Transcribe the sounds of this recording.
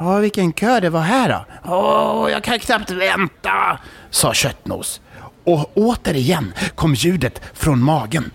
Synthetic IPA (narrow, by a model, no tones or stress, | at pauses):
ɔːvɪkːənkʰøːɖɛvaɦæːɖɔ̰ɔjɑ̰ːɡ̚kʰankʰnapt̪vɛnt̪asɑːɕœt̪ːno̰ːsɔoːt̪əɾɪjɛnːkʰɔmːjʉ̟ːd̪ət̪fɾɔnmɑːɡən